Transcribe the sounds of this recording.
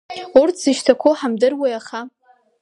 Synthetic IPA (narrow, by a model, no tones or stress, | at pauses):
urtʰz̥ɨʃtʰakʷʰoħamdɨrwejaχa